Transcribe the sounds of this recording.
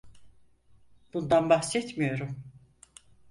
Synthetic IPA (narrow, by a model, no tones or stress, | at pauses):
b̥und̪anbahsɛt̪mijo̞ɾum